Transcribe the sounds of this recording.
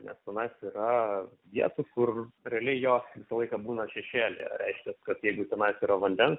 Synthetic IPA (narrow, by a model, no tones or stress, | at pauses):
nʲɛ̰st̪ʲɛnɐɪsiːɾɐʋʲiɛt̪ukʊrɾʲɛɐlʲɛɪjoːsʋʲɪsɐlˠɐɪkɑbuːnɐʃʲɛʃʲeːlʲḛɾʲɛɪʃʲkʲɛskɐt̪jɛɪɡʊt̪ʲɛnɐɪsiːɾɐʋɐnʲd̪ʲɛns